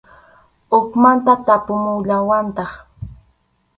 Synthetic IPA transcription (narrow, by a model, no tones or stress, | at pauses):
ʊkmant̪at̪apʊmʊʎawant̪ɑχ